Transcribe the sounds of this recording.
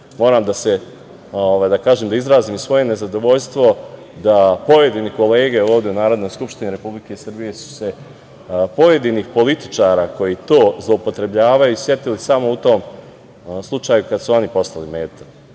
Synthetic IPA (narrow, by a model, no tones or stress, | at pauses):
mo̞ːɾaːmd̪ase̞ | oʋaːjd̪akaːʒeːmd̪aizɾaːziːmsʋo̞je̞ne̞zad̪o̞ʋo̞ʎst̪ʋo̞ | d̪apo̞je̞d̪iniko̞le̞ːɡe̞oːʋd̪ʲe̞unaːɾo̞d̪no̞jskupʃt̪iniɾe̞publike̞isr̩bije̞su̥se̞ | po̞je̞d̪inixpo̞lit̪i̥t͡ʃaːɾako̞jit̪o̞ːzlˠoupo̞t̪ɾe̞bʎaːʋajuisʋje̞t̪ilisamo̞ut̪o̞m | slˠut͡ʃaːjukad̪suonipo̞st̪alimeːt̪ḁ